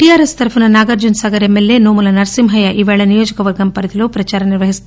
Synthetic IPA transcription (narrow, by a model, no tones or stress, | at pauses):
ʈiaːɾest̪ɐɾpʰunɐnaːɡɐɾd͡ʒunsaːɡɐɾemːelːenoːmulɐnɐɾsimɦɐjaʔiːʋeːɭɐnijoːd͡ʒikɐʋɐɾɡɐmpɐɾɐt̪iloːpɾɐt͡ʃaːɾɐniɾʋɐɦist̪